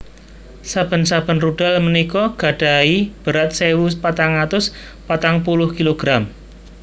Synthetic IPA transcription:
sab̥ə̤nsab̥ə̤nruɖ̥a̤lmənikɔɡ̥a̤ɖ̥a̤ib̥ə̤ɾat̪̚sewupat̪aŋat̪ʊs | pat̪aŋpulʊhkiloɡ̥ɾam

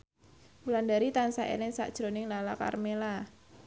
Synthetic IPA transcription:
ulandaɾit̪ansaʔḛlɪŋsa̰ʔd̥ʒ̥ɾonɪŋlalaka̰rmela

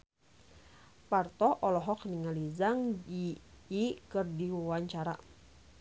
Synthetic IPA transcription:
part̪ɔʔɔlɔɦɔkniŋalizaŋiikɨrdiwwaɲt͡ʃaɾa

